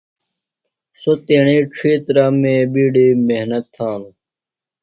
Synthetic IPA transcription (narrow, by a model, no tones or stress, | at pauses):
sot̪eːɳ̃iːʈ͡ʂʰiːt̪ɾaːmẽːbiːɖiːmeɦnɐt̪ʰːãːnu